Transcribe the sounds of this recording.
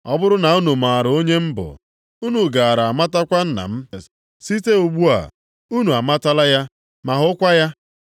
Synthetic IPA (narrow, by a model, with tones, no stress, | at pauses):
ɔ˦bʊ˦ɾʊ˦na˨u˦nu˨ma˨ɾo˦ɲe˦m̩˦bʊ̰˨ | u˦nu˨ɡa˨a˨ɾa˨ma˦ta˦kʷa˦n̩˦na̰˨m̩˦ | si˦te˦u˨ɡ͡bu˦a̰˨ | u˦nu˨a˨ma˦ta˦la˦ja˦ | ma˨ɦʊ˦kʷa˦ja˦